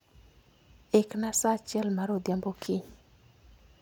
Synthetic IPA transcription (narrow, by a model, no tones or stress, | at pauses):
eknasat͡ʃɛlmaɾod̪jambokʰiɲ